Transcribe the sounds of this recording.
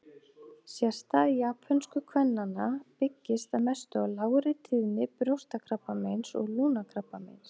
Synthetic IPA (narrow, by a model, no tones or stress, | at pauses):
sjɛr̥t̪aiaːpfœnskʏkʰvɛnːanːapɪcːɪst̪aðmɛst̪ʏawlaːwɾɪt̪ʰiðnɪpɾowr̥t̪akʰɾapːamejnsɔ̰ɣluːnakʰɾapːamḛjns